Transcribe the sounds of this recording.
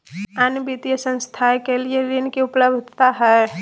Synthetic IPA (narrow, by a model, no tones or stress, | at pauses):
anbit̪ijəsə̃nst̪ʰakelieɾinkeʊpləbd̪ʱt̪aɦɛ